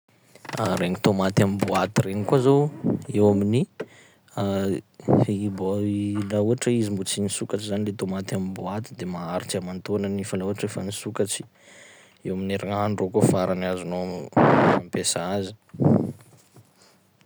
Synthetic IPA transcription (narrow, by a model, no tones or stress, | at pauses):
a̰ɾeɲit̪omat̪amimbuat̪iɾeɲikuazoewamini | a | balauaʈ͡ʂəizimbut͡sinisukaʈ͡ʂizanilet̪omat̪amimbuat̪id̪emaaɾit͡siamant̪onanifalauaʈ͡ʂefanisukat͡si̥ | ewamineɾaŋaɳɖ͡ʐokofaɾanazunoamampesaazi̥